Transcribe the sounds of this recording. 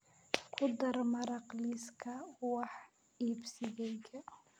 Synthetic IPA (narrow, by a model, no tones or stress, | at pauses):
kʰʊd̪ɐɾmɐɾɑqliskʰɐwɑħ | iːbsɪɡɛjkʰɐ